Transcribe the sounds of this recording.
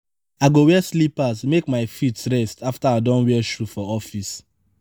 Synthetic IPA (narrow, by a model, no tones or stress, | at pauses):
aɡowɛslipasmekmaɪfitɹɛstʰaftaadɔ̃nwɛɛʃɹufɔɔfis